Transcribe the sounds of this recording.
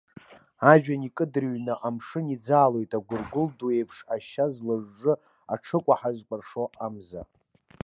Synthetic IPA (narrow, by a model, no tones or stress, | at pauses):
aʒᶣanikʼɨdɨrɥnɨʔamʂɨnid͡zaːlo̞jtʼaɡʷʊrɡʷʊlduejpʰʂaʃazlɨʐːɨ | aʈ͡ʂʰɨkʷʼaħazʷkʷʼarʂoamza̰